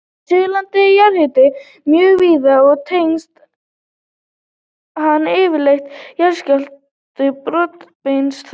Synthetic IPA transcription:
sʏɣlant̪ɪjaɾhɪt̪ɪ | mjœːɣviːðaɔɣt̪ʰejnst̪ | hanːɪːvɪlext̪jaɾscalt | t̪ɪpɾɔt̪penst̪

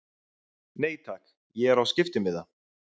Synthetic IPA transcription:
neːjt̪ʰak | jɛɛɾawscɪft̪ɪmɪða

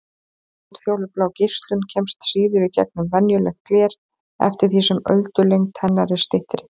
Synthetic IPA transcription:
at̪fjoːwlʏplaːwcɪ̥st̪lʏncʰɛmst̪siːðʏɾicɛ̰k̚nʏmvɛnjʏlɛxtklɛːɾ̥ | ɛ̰ft̪ɪɾ̥θisɛmœ̰ɥlt̪ʏlejŋt̪ʰːɛnːaɾɪ̥st̪ɪht̪ɾɪ

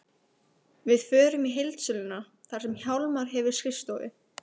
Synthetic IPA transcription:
vɪðfœːɾʏmiɦejlt̪sʏlɪna | θaɾ̥sɛmçjawlmaɾ̥ɦɛvʏɾ̥skɪst̪owðɪ̰

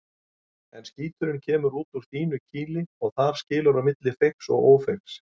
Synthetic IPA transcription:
ɛnsciːt̪ʏɾɪncʰɛːmʏɾuːt̪uɾ̥θiːnʏcʰiːlɪɔɣθaɾ̥scɪːlʏɾamɪt̪lɪfeksɔ̰ɣoːwfeks

